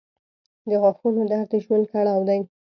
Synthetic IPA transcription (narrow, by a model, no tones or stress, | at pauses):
d̪əɣɑxunod̪aɾt̪eʒwənkaɽaawd̪aj